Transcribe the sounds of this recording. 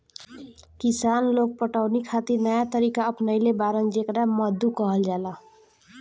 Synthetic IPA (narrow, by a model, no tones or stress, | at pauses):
kisanloɡ̚pəʈaʊnikʰat̪iɾnəjat̪əɾikaəpnəjlebaɾənd͡ʒekɾaməd̪ʱːukʌɦəld͡ʒala